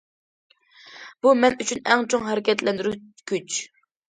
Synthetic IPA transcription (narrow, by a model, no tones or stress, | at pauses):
b̥umɛnyt͡ʃʰynɛŋt͡ʃʰoŋɦæɾɪkʲɛt̪lɛnd̪yɾykʲyt͡ʃ